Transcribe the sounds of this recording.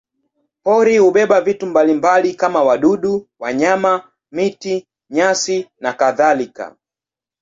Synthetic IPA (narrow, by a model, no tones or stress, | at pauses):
pɔɾihuɓɛɓavitumbalimbalikamawaɗuɗuwaɲama | miti | ɲasinakaðalika̰